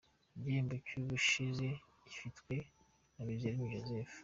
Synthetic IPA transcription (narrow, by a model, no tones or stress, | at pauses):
iɟiːmbocuːβuʃize | ifitwe̞ | naβiβzeɾimuʒozef